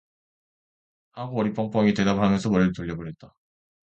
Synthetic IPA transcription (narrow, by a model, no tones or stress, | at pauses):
haɡoʌɾip͈ʌŋp͈ʌŋite̞dapamjʌnsʰʌmʌɾɯɭtoʎːʌbɯɾɦe̞t̚t͈a